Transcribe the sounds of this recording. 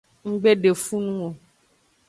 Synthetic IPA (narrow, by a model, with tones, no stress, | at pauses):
ŋ̩˦ɡ͡be˦ɖe˨fu˦nũ˦o˨